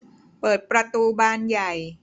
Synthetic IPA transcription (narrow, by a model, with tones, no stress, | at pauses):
pɤː˨˩t̪̚pɾa˧t̪uː˧baː˧nja˨˩j